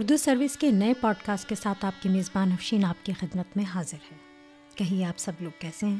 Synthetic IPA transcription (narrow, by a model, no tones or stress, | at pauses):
ʊɾd̪usɐɾʋɪskenɐepɔːɖkaːsʈ̚kesaːt̪aːp̚kimeːzbaːnɦɐfʃiːnaːp̚kixɪd̪mət̪mẽɦaːzɪɾhɛː | kɐɦiaːpsɐbloːɡ̚kɛːseɦɛ̃ː